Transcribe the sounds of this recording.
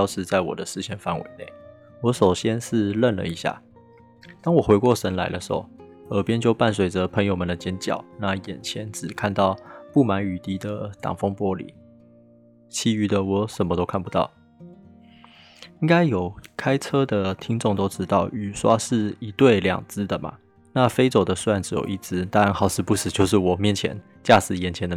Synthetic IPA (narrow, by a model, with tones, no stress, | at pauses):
jɑ˥˧ʊʂɻ̩˥˧t͡sa˥˩ɪwɔ̰˨˩d̪ə˦ʂɻ̩˥˧ɕʰjɛ˥˩nfa˥nwʔḛ˧˥˦ɪnḛ˥˩ɪ | wɔ˧˥ʂo˨˩ʊɕjɛ˦nʂɻ̩˥˧lə˥˩nlə̰˨˩i˧˥ɕja̰˥˩ | t̪ɑ˥ŋwɔ˨˩xwe˧˥ɪkwɔ˥˩ʂə˧˥nla̰˧˥ɪdə˨ʂ̩˧˥ho˧˦ | ə˨˩pjɛ˥nt͡ɕjo˥˧ʊpa˥˩nswe˨˩ɪʈ͡ʂə˨pʰə˧˥ŋjo˧mə˨nd̪ə˩t͡ɕjɛ˥nt͡ɕjɑ̰˨˩ʊna˥˩jɛ̰˨˩nt͡ɕʰjɛ˧˦nʈ͡ʂɻ̩˨˩kʰa˥˧nt̪ɑ˥˧ʊpu˥˩ma˧˥ny˨˩t̪i˥d̪ə˨t̪ɑ̰˨˩ŋfo˥ŋpwɔ˦˥lḭ˨˦ | t͡ɕʰi˥y˧˩d̪ə˨wɔ˧˩ʂə˨˩nmə˧˦t̪o˥ʊkʰa˥˩npu˧˥t̪ɑ̰˥˩ʊ | i˥ŋka˥ɪjo˨˩ʊkʰa˥ɪʈ͡ʂʰɤ˥d̪ə˨t̪ʰi˥ŋt͡sʊ˥˨ŋt̪o˥ʊʈ͡ʂɻ̩˥t̪ɑ˥˩ʊy˨˩ʂwa˥ʂɻ̩˥˩i˧˥t̪we˥˩ɪljɑ̰˨˩ŋt͡sɹ̩˥d̪ə˨ma̰˩ | na˥˨fe˥ɪt͡so˨˩ʊd̪ə˦su˥a˥˩nʈ͡ʂ̩˧˥jo̰˨˩ʊʔi˥˩t͡sɹ̩˥t̪a˥ɻa˧˥nxɑ˥˩ʊsʰɹ̩˧˥˦pu˥˩ʂɻ̩˨˩t͡ɕjo˥˧ʊʂ̬ɻ̩˥˩wɔ˨˩mjɛ˥˩nt͡ɕʰjɛ̰˧˥˦n | t͡ɕja˥˩sɹ̩˧˥jɛ˨˩nt͡ɕʰjɛ˧˥nd̪ə˧